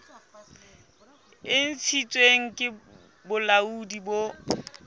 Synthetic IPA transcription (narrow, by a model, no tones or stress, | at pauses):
ɪn̩t͡sʰit͡sʼweŋ̩kʼɪ | bʊlaudibo